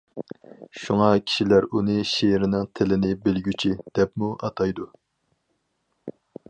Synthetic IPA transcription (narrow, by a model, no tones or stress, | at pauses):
ʃuŋɑkʲʰi̥ʃilæɾunɨʃeɾɪnɪŋt̪ʰɪlɪnɪbɪlɡʲyt͡ʃʰid̪̥ɛpmuʔɑt̪ʰɑjd̪u